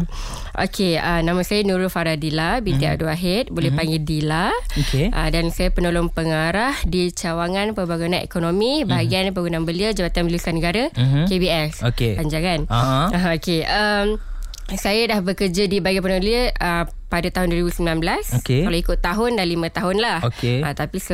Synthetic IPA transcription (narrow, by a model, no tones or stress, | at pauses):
ʔo̰kʰeənãmə̃sajənũɾʊfaɾadilabit̪ia̰duaɦɪt̪̚bolɛhpaŋɡildilaokeʔə̰dansajapənolɔnpəŋaɾahdit͡ʃawaŋãnpəbaɡunãekonõmĩbaɦaɡianpəɡunãŋbəliəd͡ʒabat̪anməlusanəɡaɾakebiɛsokeaɲd͡ʒaŋanaɦokeʔəm | sajadahbəkərd͡ʒadibaɡap̬ənõmbəliəə | padat̪aɦʊnduəɾibusəmbilanbəlasokekalawikʊt̪ːaɦʊndalimə̃t̪aɦʊnlahokeət̪apis